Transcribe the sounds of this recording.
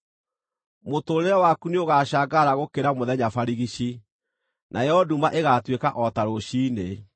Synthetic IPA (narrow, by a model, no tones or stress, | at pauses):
motoːɾeɾɛwaːkuneoɣaːɕaːɡaɾaɣokeɾamoðɛɲafaɾiɣiɕi | nʔajɔdumaʔeɣaːtwekaʔɔtaɾoɕiːne